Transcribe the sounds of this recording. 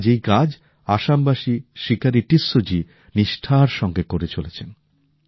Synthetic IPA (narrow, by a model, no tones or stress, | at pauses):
d͡ʑejkad͡ʑ | aʃambaʃiʃikaɾiʈisːod͡ʑi | niʃʈʰaɾʃɔŋɡekoɾet͡ɕolet͡ɕʰen